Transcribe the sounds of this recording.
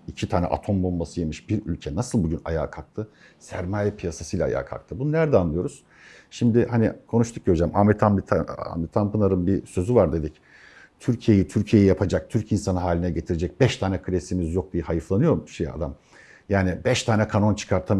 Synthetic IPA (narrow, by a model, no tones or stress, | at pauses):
icʰit̪ʰaːnɛ̰ʔa̰t̪ʰo̞mbulˠmasɯje̞miʃbiɾy̰lʲcʰɛnasɯlˠbuɟyna̰ja̰ːkʰak̚t̪ʰɯ | sæɾmaːjɛpʰijasasɯjlʲaa̰ja̰ːkʰa̰k̚t̪ʰɯbununæɾd̪ɛanlˠɯjo̞ɾuz̥ | ʃimd̪ɪhanikʰo̞nuʃt̪ʰuk̚ɟøɾid͡ʒɛma̰mit̪ʰamit̪ʰaa̰mɛt̪ʰampɯnaɾɯnbisø̞zyvaɾd̪e̞d̪ic | t̪ʰyɾcʰije̞jit̪ʰyɾcʰije̞jijapʰad͡ʒak̚t̪ʰyɾcinsanɯɦaːlʲinɛɟe̞t̪ʰiɾed͡ʒɛc̚bɛʃt̪ʰaːnɛkʰɯɾʲesimizjok̚d̪ijahajɯflˠanɯjo̞ɾʃeja̰d̪am | jaːnibɛʃt̪ʰaːnɛkʰano̞nt͡ʃʰɯ̥kʰaɾt̪ʰa